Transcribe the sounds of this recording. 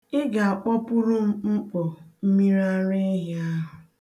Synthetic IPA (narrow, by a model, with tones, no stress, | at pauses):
ɪ˦ɡa˨a˨k͡pɔ˦pʊ˦ɾʊ˦m̩˦ŋ͡m̩˦k͡po˨m̩˦mi˦ɾa˦ɾe˦ɦi˦a˦ɦʊ˨